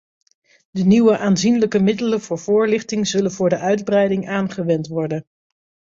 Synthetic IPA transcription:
dəniwəʔaːnzinləkəmɪdələnvʊːɹv̥ʊːɹlɪχtɪŋzɵlənvʊːɹdəʔœɥdbrɛjdɪŋaːnχəʋɛntʋɔɹdən

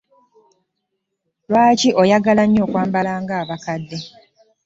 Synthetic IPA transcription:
lwaːciʔojaɡalaɲːoːkwaːmbalaːŋɡaːβakadːe

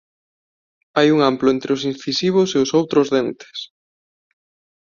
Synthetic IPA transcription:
ajuŋamplʊent̪ɾeʊs̬in̟θisiβ̞ʊseʊsowt̪ɾʊzðent̪e̥s

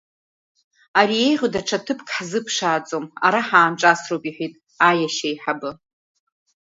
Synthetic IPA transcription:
aɾie̞jʁʲodaʈ͡ʂʰatʰɨpʰkʰʼħzɨpʰʂaːt͡sʼoma̰ɾaħaːmʈ͡ʂʼasropʼiħʷᶣitʼ | ajaʃajħabɨ

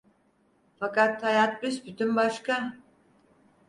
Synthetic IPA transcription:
fakat̪hajat̪̚bysbyt̪ʰymbaʃka

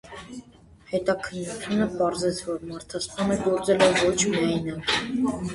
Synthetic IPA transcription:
hɛt̪ɑkʰənːut͡sʰjunəpɑɾzɛt͡sʰvɔɾmɑɾt̪ʰɑspɑnəɡɔɾt͡sɛlɛvɔt͡ʃʰmɑjnə

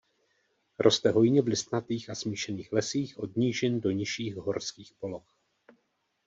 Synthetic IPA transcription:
ɾʔo̞st̪ɛɦo̞jɲɛvlɪst̪nat̪iːxasmiːʃɛniːxlɛsiːxʔo̞dɲiːʒɪndo̞ɲɪʃiːxɦo̞ɾskiːxpo̞lo̞x

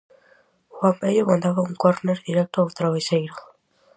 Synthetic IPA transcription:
xwampeʎomãnd̪aβauŋkwaɾneɾðiɾek̚t̪oawt̪ɾaβesejɾo

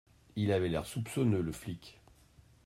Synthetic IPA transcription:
ilavɛlɛʁsupsɔnøləflik

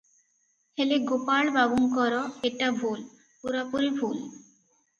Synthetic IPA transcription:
hʰeleɡopaɭbabuŋkɔɾɔeʈabʱul | puɾapuɾeɾbʱul

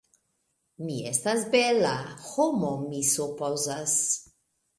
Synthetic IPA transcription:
miḛstasbelahomomisupozas

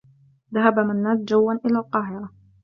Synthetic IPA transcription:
ðaɦabamanːaːt̪̚d͡ʒawːanʔɪlaːlqɑːɦɪɾˤɑ

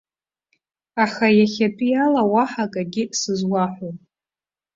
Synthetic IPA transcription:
aχajaχʲatʼijalawaħakʼaɡʲɪsɨzwaħʷopʼ

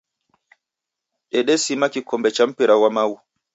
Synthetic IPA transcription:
ɗɛɗɛsimakikɔmbɛt͡ʃampiɾawamawu

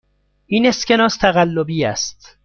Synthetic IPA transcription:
ʔiːne̞sce̞nɒːst̪ʰæɣælːobiːæ̰st̪

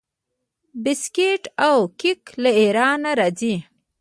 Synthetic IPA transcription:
bɪskeʈawkiklaeɾɑnaɾɑzi

